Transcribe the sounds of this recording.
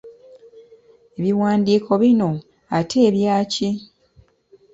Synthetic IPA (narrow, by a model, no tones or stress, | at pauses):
e̞βiwaːndiːkʰo̞βino̞ | atʰe̞ːβjaːci